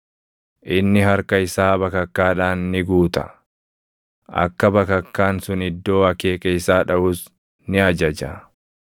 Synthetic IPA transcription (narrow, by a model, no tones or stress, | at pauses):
ʔɪnːɪɦɐɾkɐɪsaːbɐkɐkːaːᶑaːnːɪɡuːt̪ɐ̥̰ | ʔɐ̰kːɐbɐkɐkːaːnsʊnɪd̪ːo̞ːɐkeːkʼejsaːᶑɐʔʊːs | nɪɐd͡ʒɐd͡ʒɐ